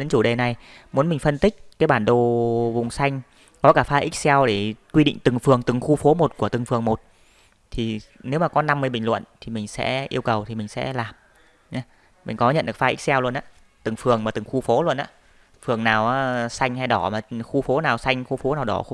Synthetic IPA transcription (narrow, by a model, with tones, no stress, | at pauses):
ɗe˨˦nt͡ɕu˧˩ɗe˨˩na˨˩jmu˨˦ənmï˨˩ŋ̟fə˧nt̪ï˦˥k̟̚kaː˨˦jɓaː˧˩nɗo˨˩vʊ˨˩ŋ͡msa˧jŋ̟ | kɔ˨˦kaː˧˩faː˧ʔi˦˥k̚sɛ˧wɗe˧˩kwi˧ɗḭ˧˨ŋ̟t̪ɨ˨˩ŋfɨ˨˩əŋt̪ɨ˨˩ŋxu˧fo˨˦mo˨˩t̚ku˧˩ət̪ɨ˨˩ŋfɨ˨˩əŋmo˨˩t̚ | t̪ʰi˨˩ne˨˦wmaː˨˩kɔ˨˦na˧mːɨ˧jɓï˨˩ŋ̟lwə̰˧˨nt̪ʰi˨˩mï˨˩ŋ̟sɛ̰˧˥ʔi˧əwkə˨˩wt̪ʰi˨˩mï˨˩ŋ̟sɛ̰˧˥laː˨˩m | ɲaː˨˦ | mï˨˩ŋ̟kɔ˨˦ɲə̰˧˨nɗɨ˨˩ə˩kfaː˧ʔi˦˥k̚sɛ˧wlu˧ənʔaː˧˦ | t̪ɨ˨˩ŋfɨ˨˩əŋmaː˨˩t̪ɨ˨˩ŋxu˧fo˨˦lu˧ənʔa̰ː˧˥ | fɨ˨˩əŋnaː˨˩wʔaː˨˦sa˧jŋ̟ha˧jɗɔ˧˩maː˨˩xu˧fo˨˦naː˨˩wsa˧jŋ̟xu˧fo˨˦naː˨˩wɗɔ̰˨˦˧